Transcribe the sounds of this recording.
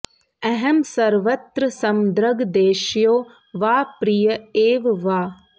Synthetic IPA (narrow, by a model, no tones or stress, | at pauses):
ɐɦɐmsɐɾʋɐt̪ɾəsɐmd̪ɾɐɡd̪eːʃjoː | ʋaːpɾijɐeːʋʋaː